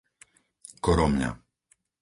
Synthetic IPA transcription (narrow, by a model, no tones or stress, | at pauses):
kɔɾɔmɲa̰